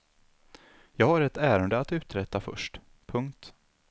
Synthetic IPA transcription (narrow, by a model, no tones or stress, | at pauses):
jɑːɡhaɾɛt̪æːɾənd̪əat̪ʉ̟ːt̪ɾɛt̪ːafœ̰ʂʈ | pʰɵŋkt̪